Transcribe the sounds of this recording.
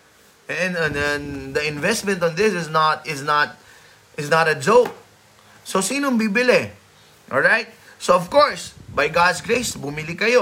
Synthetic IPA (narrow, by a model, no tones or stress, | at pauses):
ɛ̃nɛnɛnd̪ɐɪ̃nvɛst̪̚mɛ̃nt̪ɔ̃nd̪ɪsɪsnat̪ɪsnat̪̚ | ʔɪsnat̪ɐd͡ʒok̚ | sosiːnombibɪlɛ | ʔɔlɹajt̪̚soɔvkoɹsbajɡad̪sɡɹejsbumilɪkɐjo